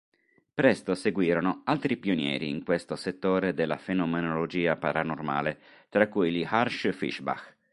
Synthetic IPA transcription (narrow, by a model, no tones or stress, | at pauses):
pɾɛst̪oseɡwiːɾonoalt̪ɾipionjɛ̰ːɾḭːŋkwest̪oset̪ːoːɾed̪elːa̰fenomenolod͡ʒiːapaɾanorma̰ːle | t̪ɾakːujliharʃfḭʃba̰x